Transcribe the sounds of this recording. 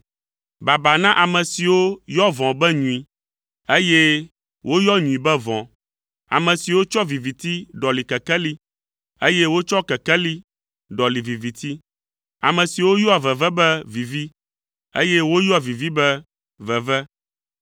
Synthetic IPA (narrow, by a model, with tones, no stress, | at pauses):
ba˨ba˨nã˦ʔa˨mɛ̃˨si˨wo˦jɔ˦vɔ̃˨bɛ˦ɲũ˨i˨ | e˦je˦ | wʔo˦jɔ˦ɲũ˨ĩ˨bɛ˦vɔ̃˨ | a̰˨mɛ̃˨si˨wo˦t͡ʃɔ˦vi˨vi˨t̪i˦ɖɔ˨li˨kɛ˨kɛ˦li˦ | e˦jɛ˦wo˦t͡ʃɔ˦kɛ˨kɛ˦li˦ | ɖɔ˨li˨vi˨vi˨t̪ʰi˦ | a̰˨mɛ̃˨si˨wo˦jɔ˦a˨vɛ˨vɛ˦bɛ˦vi˨vi˦ | ḛ˦jɛ˦wo˦ja˨vi˨vi˦bɛ˦ | vɛ˨vɛ˦